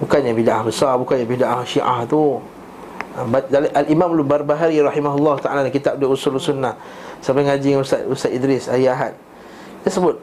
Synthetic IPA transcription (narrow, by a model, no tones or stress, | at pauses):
bukanɲabidaʔahbəsabukanjabidaʔahʃiʔa̰ht̪u | abadalʔalimãmlubarbaɦaɾiɾɑħimaɦulːɑɦut̪aʔalalakit̪ap̚dausulsunːah | sabpaŋad͡ʒiŋanust̪a̰t̪ust̪at̪idɾɪsaiaɦat̪̚ | t̪asəbʊt̪̚